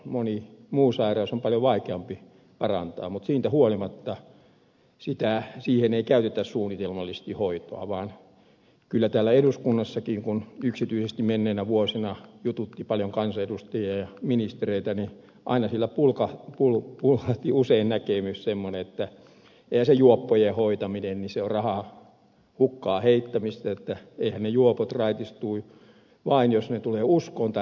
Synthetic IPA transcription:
monimuːsɑirɑisompɑljoʋɑikeɑmpi | pɑrɑ̰nt̪ɑ̰ːmmut̪siːnt̪æhuolimɑt̪ːɑ | sit̪æsiːheneikæyt̪et̪æssuːnːit̪elmɑlːise̥st̪ihoit̪o̰ɑ̰ʋɑːn | kylːæt̪æːlːæeɾuskunːɑsːɑkiːŋkunyksit̪yisest̪imenːeːnæʋuosinɑjut̪ut̪ːipɑljoŋkɑnsɑedust̪ɑjiɑjɑminist̪ereit̪æni | ʔɑ̰inɑsielːæpulkɑpulpulhɑht̪iuseinnækemyssemːoneet̪ːæ | eihæsejuopːojehoit̪ɑminenniseorɑhɑ | hukːɑːheit̪ːæmist̪ɑet̪ːæeihænnejuopot̪rɑit̪ist̪uː | ʋɑinjosnet̪uleːuskont̪ɑ

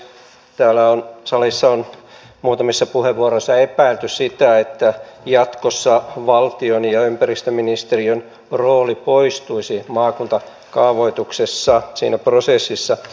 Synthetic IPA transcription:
t̪æːlːæonsɑlisːɑon | muːt̪ɑmesːɑpuheʋʋuɑrosːɑepæilt̪yssit̪æet̪ːæjɑt̪kosːɑʋɑlt̪ionjɑympærist̪øminist̪eriøn | roːlipoist̪uisimɑːkunt̪ɑ | kɑːʋoit̪uksesːɑsḭːnæprosesːisːɑ

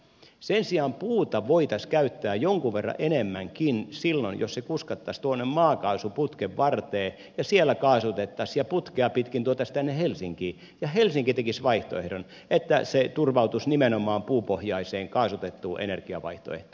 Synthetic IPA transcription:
sensiɑːmpuːt̪ɑʋoit̪ɑskæyt̪ːæːjoŋkuʋʋerːɑ̰ʔenemːæŋkinsilːonjo̰ssekuskɑt̪ːɑst̪uonːemmɑːkɑusuput̪keʋʋɑrt̪eː | jɑsielːˑækɑːsut̪et̪ːɑsjɑput̪keɑpit̪kint̪uot̪ːˑɑst̪ænːehelsiŋkiː | jɑhelsiŋkit̪ekisʋɑiht̪o̰ḛhɾon | et̪ːæ̰set̪urʋɑut̪usnimenomɑːmpuːpohjɑiseːŋkɑːsut̪et̪ːuːʔḛnerkiɑ̰ʋɑ̰iht̪o̰ḛhto

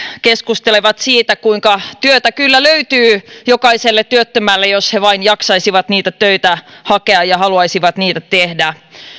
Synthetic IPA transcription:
keskust̪eleʋɑt̪siːt̪ækuiŋkɑt̪yøt̪ækylːæløyt̪yːjokɑiselːet̪t̪ːyøt̪ːømælːejosheʋɑinjɑksɑisiʋɑt̪niːt̪æt̪øit̪æhɑkeɑjɑhɑluɑisiʋɑt̪niːt̪æt̪ehdæ

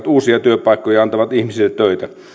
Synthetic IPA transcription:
t̪uːsiɑt̪yøpɑˑikːojɑɑnt̪ɑʋɑt̪ihmisilːet̪tøit̪æ

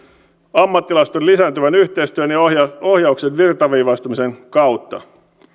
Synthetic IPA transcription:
ɑmːɑt̪ːilɑst̪onlisæːnt̪yʋænyçt̪e̞ist̪yønjɑo̞hjɑuksenʋirt̪ɑʋiːʋɑst̪umise̞ŋkɑwt̪ːɑ̰

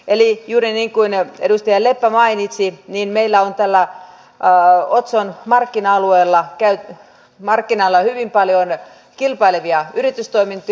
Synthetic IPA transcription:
elijuːɾiniːŋkuinedust̪ɑjɑlepːæmɑinit̪sininmeilːæont̪ælːæ | ot̪sonmɑrkːinɑɑlueːlːɑkæyt̪ | mɑrkːinɑlːɑhyʋimpɑljon | kilpɑilʋiɑyɾit̪yst̪oimint̪

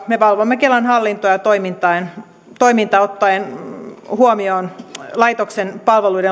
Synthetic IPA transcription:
mepɑlʋomːekelɑnhɑlːint̪ojɑt̪oimint̪ɑen | t̪oimint̪ɑot̪ːɑenhuomioːnlɑit̪oksenpɑlʋeluide

